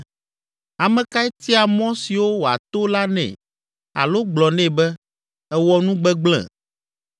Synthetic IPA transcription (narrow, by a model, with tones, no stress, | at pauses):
a˨mɛ̃˨ka˦ɛ˦t̪i˦a˨mɔ̃˦si˨wo˦wo˨a̰˨t̪o˦la˦nɛ̰̃˨ | a̰˨lo˦ɡ͡blɔ˨nɛ̃˦˨bɛ˦ | ɛ˦wɔ˦nũ˦ɡ͡bɛ˦ɡ͡blɛ̰̃˨